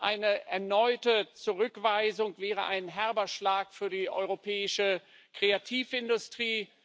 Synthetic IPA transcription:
ʔaɪnəʔɛɐnɔʏtət͡suʁʏkv̥aɪzʊŋv̥ɛːʁə̰ʔaɪnɦɛɐbɐʃlaːkfyːɐdiːʔɔ̰ʏʁopʰɛːɪʃə | kʁ̥eatʰiːfɪndʊstʁ̥iː

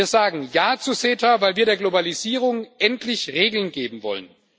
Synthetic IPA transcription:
iːɐzaːɡŋ̩jaːt͡suseːtavaɪlviːɐɾeːɐɡlobaliziːʁ̞ʊŋʔɛntʰlɪçʁeːɡl̩nɡeːbm̩vɔ̰lə̰n

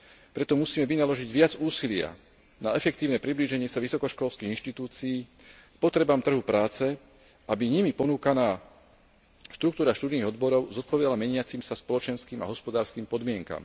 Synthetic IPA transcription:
pɾɛt̪ɔmusiːmɛʋinalɔʒiɟʋɪad͡zuːsilɪa̰ | naɛfɛkt̪iːʊnɛːpɾibliːʒɛɲɪɛsaʋisɔkɔʃkɔlskiːɣinʃt̪it̪uːt͡siiː | kpɔt̪ɾɛbamt̪r̩ɦupɾaːt͡sɛ | ʔabiɲimipɔnuːkanaː | ʃt̪ɾuk̚t̪uːɾaʃt̪uːd̪niːɣɔd̪bɔɾɔʊzɔt̪̚pɔʋɛd̪alamɛɲɪat͡simsaspɔlɔt͡ʃɛnskiːma̰ɦɔspɔd̪aːɾskiːmpɔd̪mɪɛŋka̰m

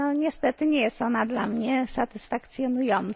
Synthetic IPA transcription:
ɔɲɛst̪ɛt̪ɘɲɛjɛst̪ɔnad̪lamɲɛsat̪ɘsfakt̪sʲjɔnujɔnt̪

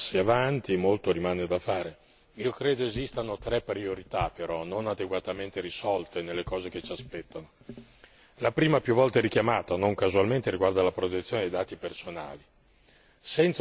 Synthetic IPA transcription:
sːiavant̪imolt̪oɾimaːned̪afaːɾe | iokɾeːd̪oezist̪anot̪ɾɛpɾioɾit̪apeɾɔnonad̪eɡwat̪ament̪eɾisɔlt̪enelːekɔːzeket͡ʃiaspɛt̪ːano | lapɾiːmapjuvːɔlt̪aɛɾik̟jamaːt̪anoŋkazualment̪eɾiɡward̪alapɾot̪et̪sjoːned̪ejd̪aːt̪ipersona̰ːli | sɛnt̪s

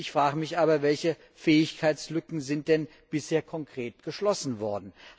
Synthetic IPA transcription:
ɪçfʁ̥aːɡəmɪçʔaːbɐvɛlçə | fɛːɪçkʰaɪt͡sslʏkŋ̩zɪnt̚d̥ɛn | b̥ɪsheːɐkʰɔŋkʁ̥eːtɡ̥əʃlɔsn̩vɔɐdn̩

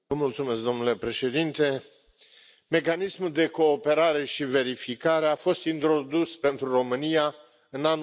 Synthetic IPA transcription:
vəmult̪sume̞s̬k̚d̪o̞mnule̞pɾe̞ʃe̞d̪int̪e̞ | me̞kanismuld̪e̞ko̞ːpe̞ɾaɾe̞ʃive̞ɾifikaɾeafo̞st̪int̪ɾo̞d̪uspe̞nt̪ɾuɾo̞mɨnija | ɨnan

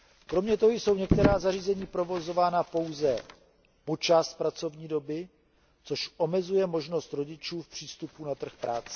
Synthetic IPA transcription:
kɾo̞mɲɛt̪oɦojso̞wɲɛk̚t̪ɛɾaːzariːzɛɲiːpɾo̞vo̞zo̞vaːnapo̞wzɛ | po̞t͡ʃast̪̚pɾat͡so̞vɲiːdo̞bɪ | t͡so̞ʃʔo̞mɛzujɛmo̞ʒno̞st̪ɾo̞ɟɪt͡ʃuːfpr̝̥iːst̪upunat̪r̩xpɾʔaːt͡sɛ̥

